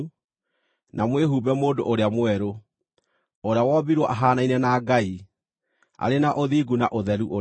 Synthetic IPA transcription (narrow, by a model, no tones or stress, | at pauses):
nʔamweɦubɛmoːdo̰ʔoɾeamwɛɾo | oɾeawɔbiɾwɔʔaɦaːnainɛnaɡai | a̰ɾenaʔoðiːɡunaʔoðɛɾuʔo